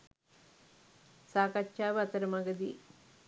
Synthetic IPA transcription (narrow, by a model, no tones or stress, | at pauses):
saːkɐt͡ʃʃaːʋɐɐt̪ɐɾɐmɐɡɐd̪i